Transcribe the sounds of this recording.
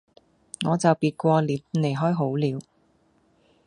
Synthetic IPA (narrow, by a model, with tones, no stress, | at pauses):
ŋɔː˨˧t͡sɐ˨wpiː˧t̚kʷɔː˧liː˨˧pne˨˩jɦɔː˥jɦo˨˥wliː˨˧w